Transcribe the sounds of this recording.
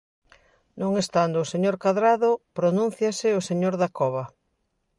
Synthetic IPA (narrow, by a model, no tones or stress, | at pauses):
nõŋest̪and̪ʊːseɲoɾkaðɾaðopɾonũn̟θjasɪoseɲoɾðakɔβ̞ɐ